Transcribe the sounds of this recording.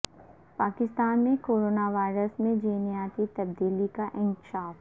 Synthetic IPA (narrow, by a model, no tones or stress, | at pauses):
paːkɪst̪aːnmẽkoːɾoːnaʋaːɪɾəsmẽd͡ʒiːnijaːt̪it̪ɐb̚d̪iːlikaʔɪ̃ŋkʃaːf